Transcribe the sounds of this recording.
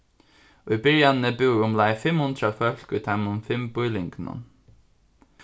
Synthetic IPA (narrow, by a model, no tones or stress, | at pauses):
ʊjbɪɹjannəbɪwɾʊmlaɪfɪmhʊnt̪ɾafœl̥kʊjt̪ʰaɪmʊnfɪmbʊjlɪŋknʊ̰n